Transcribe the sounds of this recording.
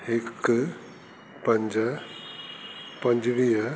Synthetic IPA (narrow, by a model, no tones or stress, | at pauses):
hɪk | pɐ̃ɲd͡ʑə | pɐ̃ɲd͡ʑʋiːɦə